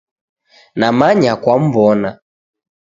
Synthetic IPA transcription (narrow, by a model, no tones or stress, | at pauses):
namaɲakwam̩bɔna